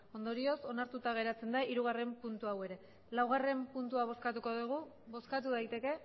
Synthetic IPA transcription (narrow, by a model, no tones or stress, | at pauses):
o̞nd̪o̞ɾio̞so̞naɾt̪ut̪aɣ̞e̞ɾat͡se̞nd̪aʔiɾuɣ̞are̞mpunt̪uawe̞ɾe̞ | lawɣ̞are̞mpunt̪uaβ̞o̞skat̪uko̞ðuɣ̞u | βo̞skat̪̬uð̞ajt̪e̞ke̞